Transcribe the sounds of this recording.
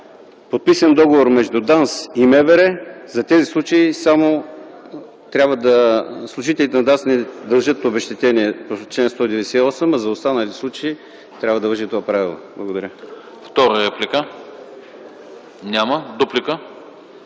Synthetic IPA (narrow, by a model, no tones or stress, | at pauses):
pot̪̚pisɐnd̪ɔɡovoɾmɛʒd̪ud̪ansimɛvɛɾɛzɐt̪ɛzislˠut͡ʃəisamo | t̪ɾʲabvəd̪ɐslˠʊʒit̪ɛlit̪ɛnɐd̪ansnɛd̪ɐlˠʒət̪ːobɛʃt̪ɛt̪ɛniɛpot͡ʃlɛnst̪vod̪ɛvɛsiɛɔsəmɐzɐost̪anəlit̪ɛsˠut͡ʃəi | t̪ɾʲabvəd̪ɐvəʒit̪ovapɾavilˠo̰blˠɐɡod̪ɐɾʲə | ft̪ɔɾəɾɛplʲikə | nʲaməd̪uplikə